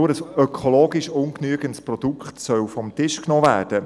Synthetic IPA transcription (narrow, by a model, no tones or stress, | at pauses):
ʊːɾəsœkʰoloːɡiʃʊŋknyəɡəntsprɔdukχtsœwfɔmtɪʃknoːvæ̰ːrd̥ə